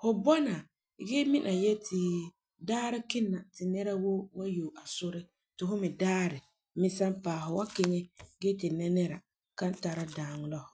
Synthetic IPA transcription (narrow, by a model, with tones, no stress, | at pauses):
hʊ˦bɔ˦na˨ | ɡɛ˦mi˦nʔa˨jɛ˦tɪ˨ | daː˦ɾɪ˦kɪ˦nːa˨tɪ˨nɛ˦ɾa˦wo˦wa˦jo˨a˨sʊ˦ɾɪ˦ | tɪ˨hʊ˦mɪ˨daː˦ɾɪ˨ | mɪ˦sa˦mpaː˨ɦʊ˨wa˦kɪ˦ŋɛ˦ɡɛ˦tɪ˨nɛ˦nɛ˦ɾa˨ | ka˦n˦ta˦ɾa˦daː˨ŋ˦lɔ˦hʊ˨